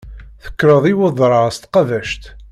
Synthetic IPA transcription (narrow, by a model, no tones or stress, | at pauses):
θə̥kːɾəðˤiwəðˤɾˤɑst̪qɑðæʃt̪